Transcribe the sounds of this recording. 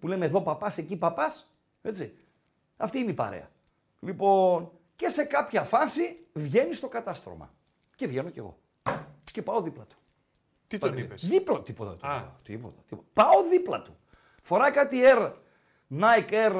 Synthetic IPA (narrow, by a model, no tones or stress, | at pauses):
pule̞meðo̞pɐpɐse̞cipɐpɐs | e̞t͡si | ɐ̰ft̪iinipɐ̰ɾe̞̰ɐ̰ | lipo̞n | ce̞se̞kɐpçɐfɐsivʝe̞nist̪o̞kɐt̪ɐst̪ɾo̞̰mɐ̰ | ce̞vʝe̞no̞ce̞̰ɣo̞̰ | ce̞pɐo̞ðiplɐt̪u̥ | t̪it̪oniesðiplɐt̪ipot̪ɐ̰t̪t̪ḭpot̪ɐt̪ipot̪pɐoðiplɐt̪u̥ | fo̞ɾɐjkɐt̪ie̞ɾ | nɐjkeɾ